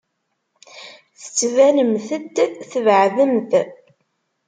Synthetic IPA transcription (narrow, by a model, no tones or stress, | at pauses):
θə̥t͡sːvænəmθəd̪θəvʕðəmθ